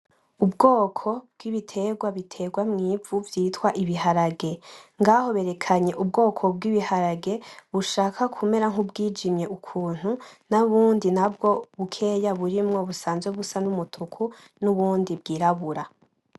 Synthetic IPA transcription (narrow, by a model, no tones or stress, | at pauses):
ubɡo̞ːkʰo̞b̚ɡ̥iβitʰe̞ɡwaβitʰe̞ɡwamŋiːvuvjiːtwaʔiβiɦaɾaɡe̞ŋɡaho̞βe̞ɾe̞kʰaɲe̞ʔub̚ɡo̞ːkʰo̞b̚ɡiːβihaɾaɡe̞βuʃaːkʰakʰume̞ɾaŋ̥ubɡiːd͡ʒimɲe̞ʔukʰuːn̥hunaβuːndinabɡo̞βukʰe̞ːjaβuɾimŋo̞βusaːnzweβusanumutʰukʰu | nuβuːndib̚ɡiːɾaβuɾa